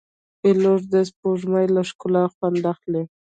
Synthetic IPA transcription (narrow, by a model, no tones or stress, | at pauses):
eloʐd̪aspoʒmajlaʃkʊlaxwand̪axle